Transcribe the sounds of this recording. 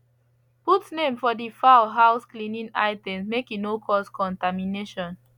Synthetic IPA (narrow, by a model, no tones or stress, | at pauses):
putnẽmfɔdifaʊɦaʊsklĩnĩna̰ɪtɛ̃msmekinokʰɔskʰɔ̃ntamineʃɔ̃n